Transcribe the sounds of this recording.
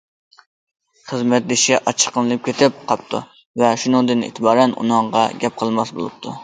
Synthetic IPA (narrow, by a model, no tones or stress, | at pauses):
χəzmɛt̪̚d̪ɪʃɛʔɑt͡ʃʰə̥qənɨlˠɨp̚kʲʰet̪ʰɪp̚qʰɑp̚t̪ʰṵ | vɛʃunɨŋd̪ɨnḛt̪ʰɪbɑːɾɛnṵnɨŋʁɑɡʲɛp̚qʰəlˠmɑsbo̰lˠṵp̚t̪ʰu